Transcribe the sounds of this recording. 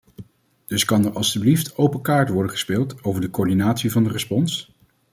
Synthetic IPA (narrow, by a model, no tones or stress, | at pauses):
d̥ɵskɑnəɹʔɑlˠstybliftowpəkaːɹtʋɔɹdəχə̥spɪːlˠtowvəɹdəkoːɹdinaːtsivɑndərəspɔns